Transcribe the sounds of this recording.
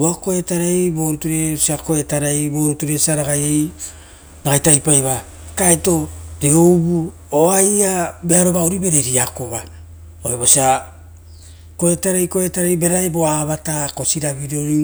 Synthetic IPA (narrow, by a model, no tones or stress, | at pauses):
uako̞etaɾejboɾutuɾesiako̞etaɾejbo̞ɾutuɾesiaɾaɡajej | ɾaɡajtajpajβa | kaeto̞deɡoubu | oajabeaɾo̞bauɾibe̞ɾe̞ɾiakoβa | oeβosia | koetaɾejko̞e̞taɾejbe̞ɾaebo̞aβatako̞siɾaβiɾoɾi